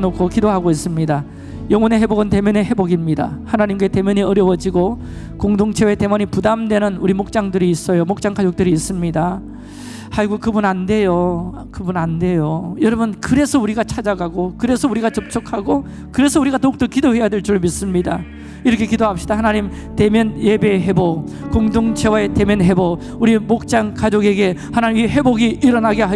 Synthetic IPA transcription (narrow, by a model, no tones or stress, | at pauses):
nokʰokidoɦaɡois͈ɯmɲida | jʌŋwʌneɦeboɡɯnte̞mjʌneɦe̞boɡimɲida̰hanaɲimk̬͈e̞te̞mjʌɲiʌɾjʌwʌd͡ʑiɡo | koŋdoŋt͡ɕʰe̞we̞te̞mʌɲipudamdwe̞nɯnuɾimok̚t͡ɕ͈aŋdɯɾiːs͈ʌjomok̚t͡ɕ͈aŋkad͡ʑok̚t͈ɯɾiːs͈ɯmɲida | haɭɡukɯbunande̞jo | kɯbunande̞jojʌɾʌbunkɯɾe̞sʰʌuɾiɡat͡ɕʰad͡ʑaɡaɡokɯɾe̞sʰʌuɾiɡat͡ɕʌp̚t͡ɕ͈ʰʌkʰaɡo | kɯɾe̞sʰʌuɾiɡatok̚t͈ok͈idohe̞jadeɭt͡ɕ͈uɾɭoɭmis͈ɯmɲida̰ | iɾʌkʰe̞kidoap̚ɕ͈idahanaɲim | te̞mjʌnje̞be̞ɦe̞bo | koŋdoŋt͡ɕʰe̞waete̞mjʌnɦe̞bo | uɾimok̚t͡ɕ͈aŋkad͡ʑoɡe̞ɡe̞hanaɲimeɦe̞boɡiʔiɾʌnaɡeɦa